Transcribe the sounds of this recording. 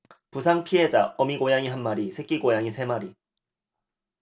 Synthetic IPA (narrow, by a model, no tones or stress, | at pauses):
pusʰaŋpʰiɦed͡ʑaʌmiɡojaŋiɦanmaɾisʰe̞k͈iɡojaŋisʰe̞maɾi